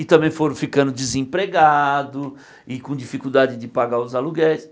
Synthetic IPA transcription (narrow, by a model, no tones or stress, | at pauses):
ɪt̪ɐ̃mbẽj̃foɾɐ̃fikɐ̃nd̪ʊd͡ʒɪzẽpɾeɡad̪ʊ | ɪkõd͡ʒifikuwd̪ad͡ʒɪd͡ʒɪpaɡaʊzaluɡɛɾɪs